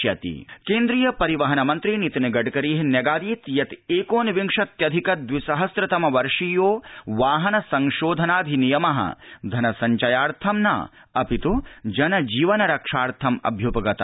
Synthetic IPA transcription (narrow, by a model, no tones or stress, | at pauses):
jɐt̪ḭkeːnd̪ɾijɐpɐɾiʋɐɦɐnɐmɐnt̪ɾinit̪inɐɡɐɖkɐɾiːɦinjɐɡaːd̪iːt̪jɐt̪eːkoːnʋiŋʂɐt̪jɐd̪ʱikɐd̪ʋisɐɦɐsɾɐt̪ɐmɐʋɐɾʂijoːʋaːɦɐnɐsɐŋʃoːd̪ʱɐnaːd̪ʱinijɐmɐɦɐ̰d̪ʱɐnɐsɐɲt͡ʃɐjaːɾt̪ʰɐmna̰ː | ɐpit̪ud͡ʒɐnɐd͡ʒiːʋɐnɐɾɐkʂaːɾt̪ʰɐmɐ̰bʱjupɐɡɐt̪ɐ